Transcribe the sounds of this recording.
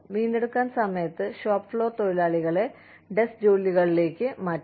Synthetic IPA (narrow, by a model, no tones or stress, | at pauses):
ʋiːnːe̞ɽukːaːnsɐmɐjɐt̪ːɨɕoːpːfɭo̞ːt̪ojilaːɭiɣɐɭe̞ | ɖe̞sd͡ʑo̞ːlːiɣɐɭile̞ːkʲːɨmaːtː